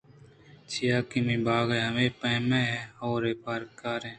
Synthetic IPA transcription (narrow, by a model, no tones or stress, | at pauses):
t͡ʃʰijaːkimĩːbaːɡɾeːɦəʋeːpəmẽːɛːhoːɾeːpaːɾkaːɾẽː